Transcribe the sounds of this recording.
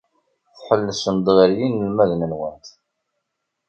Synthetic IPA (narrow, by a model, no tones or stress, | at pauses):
θħəlːəsənd̪ˤʁəɾjinːəlmæðnənwənt̪